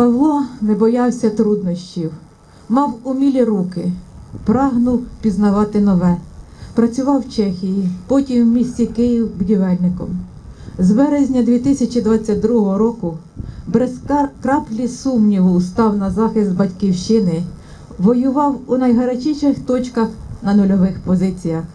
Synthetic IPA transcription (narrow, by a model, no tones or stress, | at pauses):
pɐɦlˠɔnebɔjɑwsʲɐt̪ɾud̪nɔʃʲt͡ʃʲiw | mɑwʊmʲilʲiɾukɪpɾɑɦnʊwpʲiznɐʋɑt̪ɪnɔʋɛ | pɾɐt͡sʲʊʋɑwt͡ʃɛxʲijipɔtʲimmʲisʲt͡sʲikɪjiwbʊdʲiʋɛlʲnɪkɔ̰m | zbɛɾezʲnʲɐd̪ʲʋʲit̪ɪsʲɐt͡ʃid̪ʋɑt͡sʲːɐt̚ʲd̪ɾuɦɔɦɔɾɔkʊ | bɾeskɾɑplʲisumnʲiʋʊːst̪ɑwnɐzɑxɪsd̪bɐtʲkiwʃt͡ʃɪnɪ | ʋɔjʊʋɑwunɐjɦɐɾɐt͡ʃiʃɪxt̪ɔt͡ʃkɐxnɐnʊlʲɔʋɪxpɔzɪt͡sʲijɐx